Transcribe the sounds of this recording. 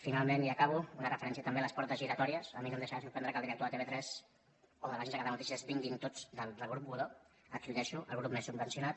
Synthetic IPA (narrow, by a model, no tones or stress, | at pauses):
finalˠmeniəkaβ̞uunərəfəɾɛns̬iət̪əmbeələspɔɾt̪əziɾət̪ɔɾiəsəminemd̪əʃaasuɾpɛnd̪ɾəkəlˠd̪iɾəkt̪oət̪eβet̪ɾɛz | oðəβaʒenzəkaðənut̪isiəzβiŋɡint̪od͡zd̪əld̪əlˠɣɾup̚buðo | əkuʎɛʃuʔə̰lɣɾupmɛsubbənsijunat̪̚